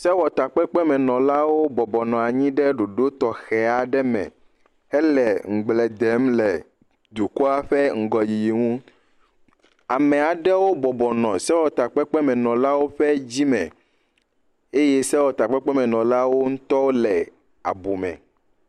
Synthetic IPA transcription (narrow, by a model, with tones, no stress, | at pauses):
sɛ˦wɔ˨t̪a˨k͡pɛ˦k͡pɛ˦mɛ̃˨nɔ̃˨la˦wo˦bɔ˨bɔ˨nɔ̃˨a˨ɲĩ˦ɖɛ˦ɖo˨ɖo˦t̪ɔ˨xɛ˨a˨ɖɛ˦mɛ̰̃˨ | ɛ˦lɛ˨ŋ̩˨ɡ͡blɛ˨d̪ɛ˨˦mlɛ˨ | d̪u˨ku˦a˦ɸɛ˦ŋ̩˨ɡɔ˨ji˨ji˨ŋũ˦ | a˨mɛ̃˨a˨ɖɛ˦wo˦bɔ˨bɔ˨nɔ̃˨sɛ˦wɔ˨t̪a˨k͡pɛ˦k͡pɛ˦mɛ̃˨nɔ̃˨la˦wo˦ɸɛ˦d͡ʑi˦mɛ̰̃˨ | e˦je˦sɛ˦wɔ˨t̪a˨k͡pɛ˦k͡pɛ˦mɛ̃˨nɔ̃˨la˦wo˦ŋũ˦t̪ɔ˦wo˦lɛ˨ | a̰˨bu˨mɛ̰̃˨